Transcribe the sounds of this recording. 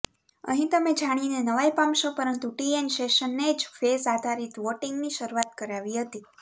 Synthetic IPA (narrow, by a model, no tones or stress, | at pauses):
ə̰ɦĩt̪əmed͡ʒaɽ̃inenəʋajpamʃopəɾənt̪uʈienʃeʃənːed͡ʒfesad̪ʱaɾit̪ʋoʈiŋɡniʃəɾuat̪̚kəɾaʋiɦət̪i